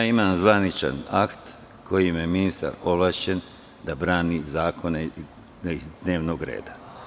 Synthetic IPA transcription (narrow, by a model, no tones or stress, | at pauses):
aimamzʋanit͡ʃa̰nakt̪ | kʰo̞jimjeminist̪a̰ɾo̞ʋlˠaʃe̞n | d̪abɾaːnizaːkʰo̞ne | d̪ne̞ːʋnoɡɾḛːd̪a